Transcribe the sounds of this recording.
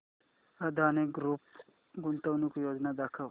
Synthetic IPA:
ɐd̪ʱaːniɡɾup | ɡunt̪ɐwnikujoːd͡ʒnad̪aːkʰɐ

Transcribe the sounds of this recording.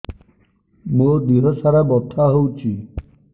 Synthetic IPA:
mod̪iɦɔsaɾabɔt̪ʰaɦowt͡ʃʰi

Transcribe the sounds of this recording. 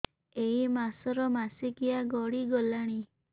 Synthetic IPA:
eimasɔɾɔmasikijaɡɔɽiɡɔlaɽ̃i

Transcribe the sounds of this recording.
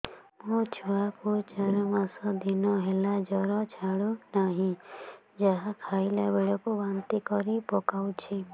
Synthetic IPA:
mot͡ʃʰuakut͡ʃaɾɔmasɔd̪inɔɦelad͡ʒɔɾɔt͡ʃʰaɽunaɦĩ | d͡ʒaɦakʰajlabeɽɔkubant̪ikɔɾipɔkawt͡ʃʰi

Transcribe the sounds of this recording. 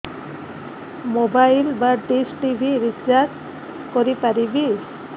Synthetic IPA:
mobajlbaʈisʈibʱiɾit͡ʃaɾʈ | kɔɾipaɾibi

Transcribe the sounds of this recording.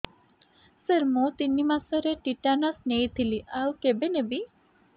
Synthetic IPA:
səɾmõt̪inːimãsəɾeʈiʈanasnejt̪ʰiliʔawkebenebi

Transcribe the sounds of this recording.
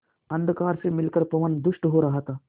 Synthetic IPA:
ɐnd̪kaːɾsemilkəɾpɐʋənd̪uʂʈɦoɾaɦat̪aː

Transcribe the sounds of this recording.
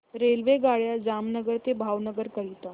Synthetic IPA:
ɾelʋeɡaɭjad͡zamnəɡəɾt̪ebʱaʋnəɡəɾkəɦit̪a

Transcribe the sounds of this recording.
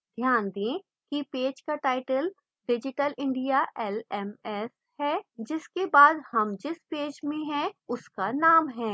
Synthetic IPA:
d̪ʱjaːnd̪ẽ | kipeːd͡ʒkaʈaːɪʈəl | ɖɪd͡ʒɪʈəlɪ̃ɳɖijaʔɛlɛmɛs | hɛːd͡ʒɪskebaːd̪hɐmd͡ʒɪspeːd͡ʒmẽɦɛ̃ʊskanaːmɦɛ̃ː

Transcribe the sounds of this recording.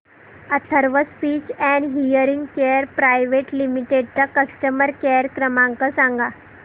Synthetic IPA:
ət̪ʰəɾʋəspit͡ɕɛ̃ɳɦijəɾiŋɡkeəɾpɾajʋeʈlimiʈeɖ̚t͡ɕakəsʈəməɾkeəɾkɾəmãŋkəsãŋɡa

